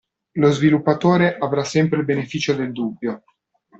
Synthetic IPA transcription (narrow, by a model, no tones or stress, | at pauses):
lozvilupːat̪oːɾeʔavɾasːɛmpɾeilbenefiːt͡ʃod̪eld̪ubːjo